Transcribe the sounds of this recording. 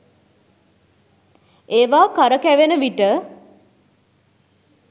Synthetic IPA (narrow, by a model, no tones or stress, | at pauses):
eːʋaːkaɾəkæʋenəʋiʈə